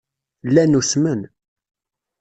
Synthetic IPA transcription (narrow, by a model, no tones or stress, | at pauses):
lːænusmən